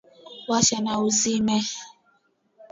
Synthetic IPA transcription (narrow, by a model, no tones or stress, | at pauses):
waʃɛnauzimɛ